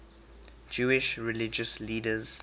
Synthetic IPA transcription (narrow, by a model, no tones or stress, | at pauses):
d͡ʒuːɪʃɹɪlɪd͡ʒəsliːdəz̥